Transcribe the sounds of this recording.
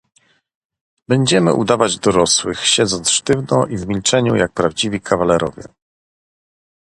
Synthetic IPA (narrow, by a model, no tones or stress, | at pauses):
bɛɲd͡ʑɛmɘ̰ʔud̪avad͡ʑd̪ɔɾɔswɘxɕɛd̪zɔnt̪sʂt̪ɘvnɔʔivmʲilt͡ʂɛɲujak̚pɾavd͡ʑivʲikʰavalɛɾɔvʲjɛ̰